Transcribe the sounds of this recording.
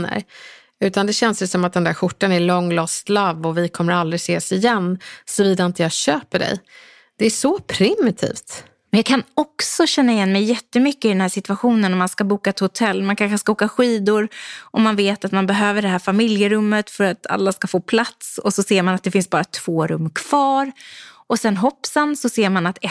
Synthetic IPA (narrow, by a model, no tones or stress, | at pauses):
ə̰ɾ | ʉ̟ːt̪and̪ɛɕɛnsjəsɔmat̪̚d̪ɛnd̪æɾɧʊʈːanæɭɔŋːlɔst̪lavːɔvɪkʰɔmːəɾald̪ɾɪseːsɪjɛnːsɔviːd̪aɪnt̪əjɑːɕøːpəɖɛ̰j | d̪̥ɛæʂɔpʰɾɪmɪt̪ʰḭːft̪ | mɛnjɑːkʰanɔksɔɕɛnːaɪjɛnːmɛjːɛt̪ːəmʏkːəɪd̪ɛnhæːʂɪt̪vaɧuːnənɔmːanskabuːkaɛt̪hʊt̪ʰɛlːmankʰanɧəskaoːkaɧiːd̪ʊɾʔɔmːanveːt̪at̪manbɛɦøːvəɖɛɦæːɾfamɪljəɾɵmːət̪fœɾat̪ʰa̰lːaskafoːpʰlat̪sɔsɔseːɾmanat̪̚d̪ɛfɪnsbɑːɾat̪ʰv̥oːɾɵmːkʰv̥ɑːɾʔɔsɛnɦɔpːsənsɔseːɾmanat̪ɛ